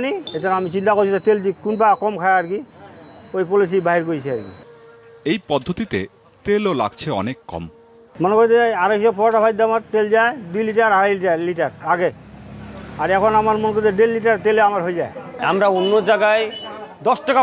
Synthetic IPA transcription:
niet̪anamit͡ɕint̪akoɾt͡ɕʰit̪at̪eld̪ikunpakɔmkʰajaɾki | ojpolis̬ibaɦiɾkojt͡ɕʰiaɾkḭ | ejpɔd̪ʱːot̪it̪e | t̪elola̰ɡ̚t͡ɕʰeɔ̰nekːɔ̰m | monekojt̪eaɾoiʃɔpɔɾʈapʰajd̪ːamaɾt̪eld͡ʑaed̪ujliʈaɾɦaɾajliʈaliʈaɾaɡe | aɾɛkʰonamaɾmonek̬ojt̪eɖelːiʈ̬aɾt̪eleamaɾɦojd͡ʑaea̰mɾaonːod͡ʑaɡaed̪ɔsʈaka

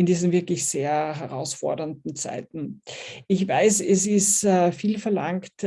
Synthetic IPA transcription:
ɪndiːzn̩vɪɐklɪçseːɐɦɛʁaʊsfɔ̰ɐdɐndn̩t͡sa̰ɪtn̩ɪçvaɪsɛsɪsfiːlfɛɐlaŋkt

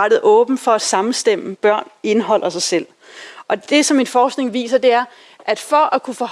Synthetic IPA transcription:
ɾ̥ð̩ˠʔɔ̽ːb̥n̩fɒ̽æ̥sɑ̈mn̩sd̥em̰əb̥ɶɐ̰ne̝nɦɒ̽l̰ʔɐsɑ̈ɪsel̰ | ʔɒ̽d̥e̝sɒ̽menfɒːsɡ̥ne̝ŋʋḭːsɐd̥e̝æɐ | ʔæd̥fɒ̽ʔækʰufɒ̽h

